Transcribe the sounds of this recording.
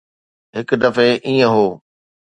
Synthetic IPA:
ɦɪkd̪ɐfeʔiːə̃ɦoː

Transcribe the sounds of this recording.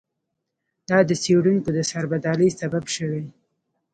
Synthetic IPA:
d̪ɑd̪əseɽuŋkod̪əsaɾbad̪ɑləjsababʃəwej

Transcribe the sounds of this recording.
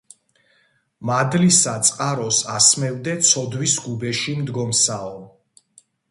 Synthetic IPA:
mad̪lisat̪sʼqʼaɾɔsasmɛvd̪ɛt̪sʰɔd̪wisɡubɛʃimd̪ɡɔmsaɔ

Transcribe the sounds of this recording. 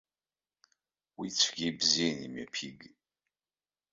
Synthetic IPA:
wit͡sːfɡibzinḭmæ̰pʰiɡ

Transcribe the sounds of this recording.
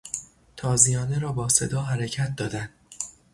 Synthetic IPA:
t̪ʰɒːzijɒːneɾɒːbɒːse̞d̪ɒːɦæɾecʰæt̪̚d̪ɒːd̪ænd̪

